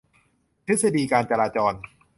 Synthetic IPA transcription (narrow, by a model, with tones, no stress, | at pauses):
t̪ʰi˦˥t̪̚sa˧diː˧kaː˧nt͡ɕa˧ɾaː˧t͡ɕɔː˧n